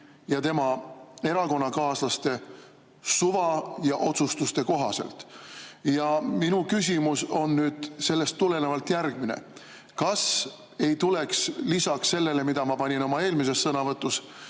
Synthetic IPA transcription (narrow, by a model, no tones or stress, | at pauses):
jɑt̪e̞mɑe̞ɾɑko̞nːɑkɑːslɑst̪e̞ | suvɑjɑʔo̞t̪sust̪ust̪e̞ko̞ɦɑse̞̰lt̪ˑjɑminukys̬ʲimuso̞nːyːd̪̥se̞lːe̞st̪ːule̞nevɑlt̪jærɡ̥mine̞̰ | kɑs | e̞jt̪ule̞kslisɑksːe̞lːe̞le̞mid̪̥ɑmɑpɑnʲino̞mɑe̞ːlmise̞sːɤnɑvɤt̪ːˑus